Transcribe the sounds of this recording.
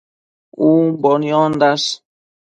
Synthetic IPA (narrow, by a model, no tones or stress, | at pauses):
uːbɔnijɔːnd̪as